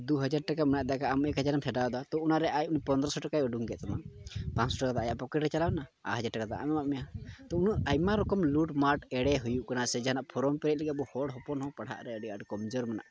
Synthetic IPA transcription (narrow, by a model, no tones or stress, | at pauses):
d̪uɦəd͡ʒaɾʈakamɛnaʔd̪aʔkaʔamɛkɦəd͡ʒaɾampʰɛɖawd̪wat̪ɔunaɾɛʔajunipɔnd̪ɾɔsɔʈakajɔɖuŋɡɛʔt̪amapãt͡ʃsɔʈakad̪aʔajaʔpɔkɛʈɾɛt͡ʃalawnaa̰ɦəd͡ʒaɾʈakad̪a̰ʔa̰mɛmaʔmɛjat̪ɔunuʔajmaɾɔkɔmluʈmaɾʈɛɽɛɦujuʔkanasɛd͡ʒaanaʔpʰɔɾɔmpɛɾɛt̪̚lɛɡɛbɔhɔɽɦɔpɔnɦɔ̃paɽ̤a̰ʔɾɛəɖiaɖkɔmd͡ʒɔɾmana̰ʔ